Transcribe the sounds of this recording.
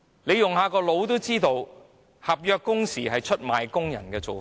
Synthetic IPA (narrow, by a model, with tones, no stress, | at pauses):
le˨˧jʊ˨ŋhaː˨˧kɔː˧lo˨˧wt̪o˥wt͡siː˥t̪o˨w | hɐ˨p̚jœː˧kːʊ˥ŋsiː˨˩ɦɐ˨jt͡ʃʰt̚maː˨jkʊ˥ŋjɐ̰˨˩nkɛː˧t͡so̰˨